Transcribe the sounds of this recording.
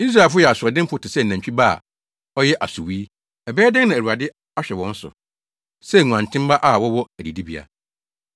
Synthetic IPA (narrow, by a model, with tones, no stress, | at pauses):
i˦s̬ɾa˨lf̬ʊ˦jɛ˨a˨sʊ˨ɔ˨dɪ̃˦m˦pʊ˨˦tʰɪ˨sɛ˦n̩˨nã˨ɲ˨t͡ɕᶣi˦ba̰˦˨ | ɔ˦jɛ˦ʔa̰˨su˨wiː˦ | ɛ˨bɛː˦dɪ̃˦ŋnã˨æ˨u˨a˨dɪ˦ | a˦ɕᶣɛ˨wɔ̃˦n̩˦sʊ̰˨ | sɛ˦˨ŋũ˨ã˨n˨tʰɪ̃˦mba˦ʔa˦˨wɔ˦wɔ˦æ˨di˨di˦bi˨a̰˨